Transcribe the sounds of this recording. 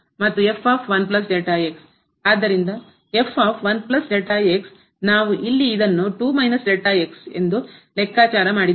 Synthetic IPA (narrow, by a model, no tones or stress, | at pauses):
mɐt̪ːue̞fʰaːpʰʋɐnp̬lɐs̬d͡ʒeʈaeks | aːd̪ːɐɾind̪ɐ | e̞fʰaːpʰʋɐnplɐsd͡ʒeʈaːeks | naːʋuʔilːiːd̪ɐnːuʈuːmɐjnɐsd͡ʒeʈaekse̞̰nd̪ulekːaːt͡ʃaːɾɐmaːɽid̪